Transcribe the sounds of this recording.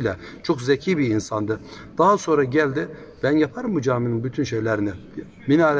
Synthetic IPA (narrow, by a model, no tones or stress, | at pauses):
lʲɛ | t͡ʃʰokzecʰiːbiinsand̪ɯ | d̪̥aɦaso̞nɾaɟælʲd̪ɪ | b̥ænjapʰaɾɯmbud͡ʒaːminimbyt̪ʰynʃejlʲæɾinɪ | minaɾ